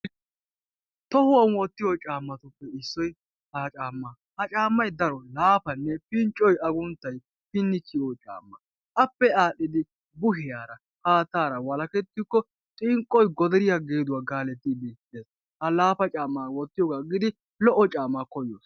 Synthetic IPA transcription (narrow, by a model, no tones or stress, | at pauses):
t̪ɔhʊwɐnwɔt̪ːɪjɔt͡ʃʼaːmːɐt̪ʊpːɛɪsːɔj | hɐt͡ʃʼaːmːa | hɐt͡ʃʼaːmːɐjd̪ɐɾɔlaːpɐnːɛpɪnt͡ʃʼɔjɐɡʊnt̪ːɐj | pɪnːɪt͡ʃːɪɔt͡ʃʼa̰ːmːɐ | ʔɐpːɛaːɗɪd̪ɪ | bʊɦɪjaːɾɐ | kaːt̪aːɾɐwɐlɐkɛt̪ːɪkːɔ | t̪ʼɪŋkʼːɔjɡɔd̪ɛɾɪjaɡeːd̪ʊwaːɡaːlɛt̪ːɪb̪eteːs | hɐlaːpɐt͡ʃʼaːmːaːwɔt̪ːɪjɔːɡaɡɪd̪ɪ | lɔʔːɔt͡ʃʼaːmːakɔjɔːs